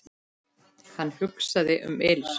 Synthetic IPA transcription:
hanːhʏksaðɪʔʏ̰mels

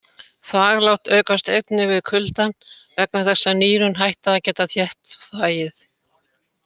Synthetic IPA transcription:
θaɣlawht̪œːkast̪ejt̪nɪvɪðkʰʏlt̪an | vɛknaθɛsːaniːɾʏnɦajht̪aacɛːt̪aθjɛht̪θaːjɪθ

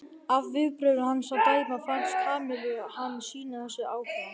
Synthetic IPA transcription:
avːɪðpɾœɥðʏhanːsawt̪aːjpmafansk̪ʰaːmɪlʏhanːsiːnaθɛsːʏaːwhɪa

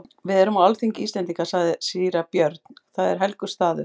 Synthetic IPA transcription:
vɪðɛɾʏmawalθiŋcɪiːst̪ɛnt̪iŋkasaɣðɪsiːɾapjœɾt̪n̥θaðɛɾ̥ɦɛlkʏst̪aːðʏ̰

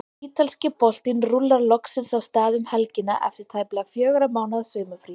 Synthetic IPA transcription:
iːt̪ʰalscɪpɔl̥t̪ɪnrulːaɾlɔksɪnsawst̪aːðʏmhɛlcɪnːa̰ʔɛ̰ft̪ɪɾ̥t̪ʰaːjplɪafjœːɣɾamaːwnaðsœːmʏfɾi

